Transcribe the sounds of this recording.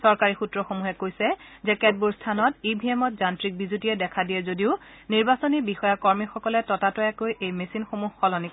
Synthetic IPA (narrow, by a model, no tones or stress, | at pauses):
sɔɹkaɹixutɹɔxomuɦɛkojsɛzɛkɛt̚buɹstʰanɔtibʱiemɔt̚zantɹik̚bizutiɛdɛkʰadijɛzodiʊ | niɹbasonibixɔjakɔɹmixɔkɔlɛtɔtatɔakojʔejmesinxomuɦxɔlɔnik